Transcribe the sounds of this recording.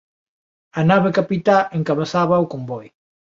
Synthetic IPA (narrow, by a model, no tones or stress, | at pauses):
ɐnaβekapit̪aeŋkaβesaβɐukombɔj